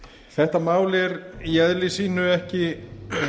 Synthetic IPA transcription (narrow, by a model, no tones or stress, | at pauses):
θɛht̪amaːwlɪɛɾiɛðlɪsiːnʏɛhcɪ